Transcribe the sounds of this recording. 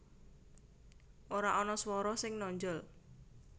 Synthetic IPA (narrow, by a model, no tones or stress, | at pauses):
ʔoɾaʔɔnɔswɔɾɔsɪŋnɔɲd͡ʒɔl